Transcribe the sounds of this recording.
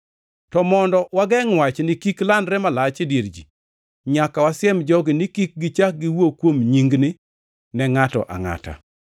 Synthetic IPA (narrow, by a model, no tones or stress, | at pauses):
tɔmɔndɔwaɡɛŋwat͡ʃnɪkiklandɾɛmalat͡ʃɪdjeɾd͡ʒi | ɲakawasɪɛmd͡ʒɔɡɪnɪkik̚ɡɪt͡ʃak̚ɡɪwokwomɲiŋɡnɪ | nɛŋatɔ̰ʔa̰ŋa̰ta̰